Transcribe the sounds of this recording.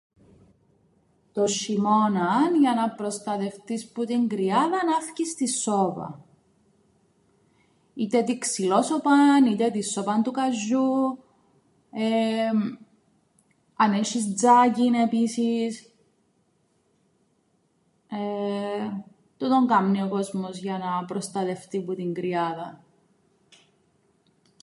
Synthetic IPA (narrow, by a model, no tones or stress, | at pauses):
t̪oʃimo̞nɐnʝɐnɐpɾo̞st̪ɐt̪e̞ft̪isput̪iŋɡɾiɐðɐnɐfcist̪isːopɐ̰ | it̪et̪iksilosopɐnit̪et̪isːopɐnt̪ukɐʒːu | e | ɐneʃisd͡zacinepisis | e | t̪ut̪oŋɡɐmniokozmozʝɐnɐpɾost̪ɐt̪e̞ft̪iput̪iŋɡɾiɐðɐ